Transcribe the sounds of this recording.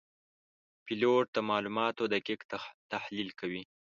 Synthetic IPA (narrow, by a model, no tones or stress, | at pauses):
pɪloʈ̚t̪amɑlumɑt̪od̪əkɪk̪t̪ahlilkawi